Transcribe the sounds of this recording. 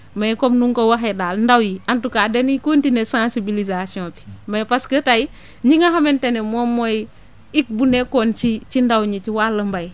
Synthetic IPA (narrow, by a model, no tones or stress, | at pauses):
majkomnuŋkowaɦedaːlndawjiantukaːdenikontinesãnsibilizasiɔ̃pi̥majpaskətai | ɲiŋaɦamentenemomoj | ik̚bunekont͡ʃit͡ʃindawɲit͡ʃiwaləmbaj